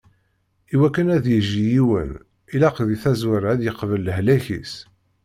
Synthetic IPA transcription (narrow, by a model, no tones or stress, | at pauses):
iwækːənæðjəʒijiwə̰n | ilæqðiθæzwəɾæðjəqvəlːəhlæçḭs